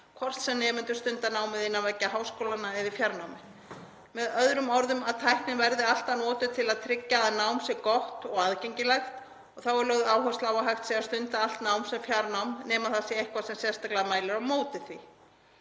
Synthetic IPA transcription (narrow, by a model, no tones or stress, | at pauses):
kʰvɔr̥t̪sɛmnɛːmʏnt̪ʏ̥st̪ʏnt̪anaːwmɪðɪnːavajcːaɦaːwskoːwlanːaɛðɪfjaɾnawmɪ | mɛðœðɾʏmɔɾðʏmaðt̪ʰajhpnɪnvɛɾðɪal̥t̪anɔːt̪ʏt̪ʰɪlaðt̪ʰɾɪcːaanawmsjɛɣkɔht̪ɔɣaðcɛɲcɪlajxt̪ | ɔɣθawɛɾloːɣðaːwɦœ̥slaːwvaɦajxt̪sɛɣast̪ʏnt̪aal̥t̪naːwmsɛmfjaɾnawmnɛːmaθasjɛejhkvasɛmsjɛst̪aklaamaːjlɪɾawmoːwt̪ɪθvi